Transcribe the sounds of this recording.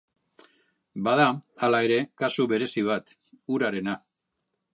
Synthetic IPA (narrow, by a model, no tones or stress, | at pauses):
bað̞aalae̞ɾe̞kasuβe̞ɾe̞siβ̞at̪ | uɾaɾe̞na